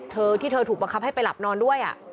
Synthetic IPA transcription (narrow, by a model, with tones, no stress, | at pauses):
t̪ʰɤː˧t̪ʰiː˥˩t̪ʰɤː˧t̪ʰu˨˩ba˧ŋkʰa˦˥p̚ha˥˩jpa˧jla˨˩p̚nɔː˧ndu˥˩əjʔa̰˨˩ʔ